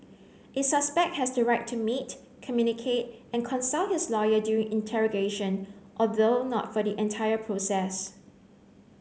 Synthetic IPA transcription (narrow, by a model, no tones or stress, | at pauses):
ʔɪsʌspɛk̚t̚hɛsdəɹaɪk̚tʰːumit | kʰəmjunikʰet̚ɛ̃nkʰɔ̃nsɔhɪslɔjədjuɹĩŋʔɪ̃ntʰɛɹɔɡeʃə̃nʔɔlðonɔ̰tfɔdiʔɛ̃ntʰajəpʰɹosɛs